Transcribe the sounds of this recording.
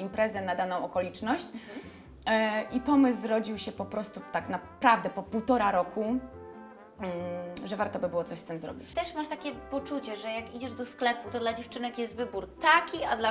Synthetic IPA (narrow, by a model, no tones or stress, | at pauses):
impɾʔɛzɛnad̪anɔ̃w̃ɔkɔlʲit͡ʂnɔɕt͡ɕ | ʔipɔmɘs̬ɾɔd͡ʑiwɕɛpɔpɾɔst̪ut̪aknapɾavd̪ɛpɔpuwt̪ɔɾaɾɔkʰu | ʐɛvaɾt̪ɔbɘbɘwɔt̪sɔɕst̪ɘmzɾɔ̰bʲit͡ɕt̪ɛʂmaʂt̪akʲɛpɔt͡ʂut͡ɕɛʐɛjakid͡ʑɛʐd̪ɔsklɛput̪ɔd̪lad͡ʑeft͡ʂɘnɛkjɛst̪vɘbuɾt̪akʲiad̪la